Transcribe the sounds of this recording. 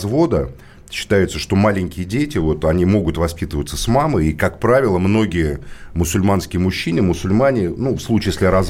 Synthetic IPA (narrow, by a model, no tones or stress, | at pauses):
zvo̞d̪ə | ɕːɪ̥t̪ajɪt̪səʂt̪o̞malʲɪŋʲkʲɪjədʲetʲɪvo̞t̪ɐnʲimo̞ɡʊt̪vɐspʲit̪əvət̪sːəsmamɨikakpɾavʲɪlˠəmno̞ɡʲɪjəmʊsʊlʲmanskʲɪjəmʊɕːinɨmʊsʊlʲmanʲɪnufslˠut͡ɕɪjesʲlʲɪɾɐz